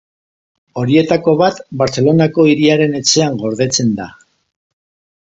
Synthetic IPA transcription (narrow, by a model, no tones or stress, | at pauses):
o̞ɾie̞t̪ako̞βat̪baɾt͡se̞lo̞nako̞iɾiaɾe̞ne̞t͡se̞aŋɡo̞ɾðe̞t͡se̞nd̪a